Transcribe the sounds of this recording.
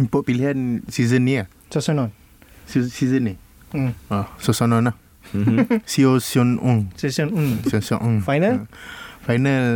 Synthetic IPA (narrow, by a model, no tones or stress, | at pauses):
impɔʔ̚piliɦansizənːia | sosɔnɔ̃n | sosizəni | asosɔnɔ̃nah | siosiɔnuŋsiosɔnuŋsiosiɔʔũŋfajnəfajnəl